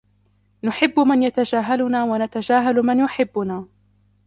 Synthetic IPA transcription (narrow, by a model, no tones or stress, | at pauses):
nʊħɪbːʊmanjat̪ad͡ʒaːɦalʊnaːwanat̪ad͡ʒaːɦalmɪnjʊħɪbːʊnaː